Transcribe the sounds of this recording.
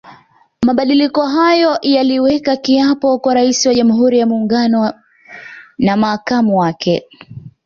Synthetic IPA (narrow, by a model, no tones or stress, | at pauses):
maɓaɗilikɔɦajɔjaliwɛkakiapɔkwaɾaisiwaʄamuɦuɾijamuːŋɡanɔ | namaːkamuwakʰɛ